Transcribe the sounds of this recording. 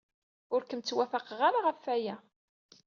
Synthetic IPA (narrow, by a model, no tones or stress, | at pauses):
ʊɾkəmt͡sːwæfæqəʁaɾaʁəfːæjæ